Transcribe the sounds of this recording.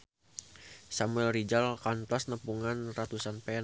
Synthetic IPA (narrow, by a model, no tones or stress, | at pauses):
samuɛlrid͡ʒalkant̪ɔsnəpuŋanrat̪usanpɛ